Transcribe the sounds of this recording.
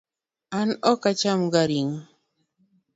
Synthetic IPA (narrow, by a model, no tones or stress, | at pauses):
anɔkat͡ʃamɡaɾiŋ